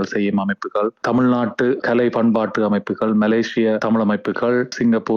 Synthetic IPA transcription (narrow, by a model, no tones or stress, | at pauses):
ɭsɛjːɯmɐmɐɪpːɯɣɐɭt̪ɐmɪɻnaːʈːɯkɐlɐɪpɐɳbaːʈːɯɐmɐɪpːɯɣɐɭmɐleːʂɪjɐt̪ɐmɪɭɐmɐɪpːɯɣɐɭsɪŋɡɐpːuː